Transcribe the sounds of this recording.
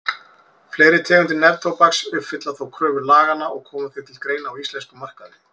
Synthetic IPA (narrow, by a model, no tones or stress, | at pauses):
fleːjɾɪt̪ʰɛːɣʏnt̪ɪnɛvt̪ʰowpaksʏpfːɪt̪laθawkʰɾœːvʏlaːɣanːaʔɔɣkʰɔːmaθɪt̪ʰɪlkɾeːjnaːwist̪lɛnskʏmar̥kaðɪ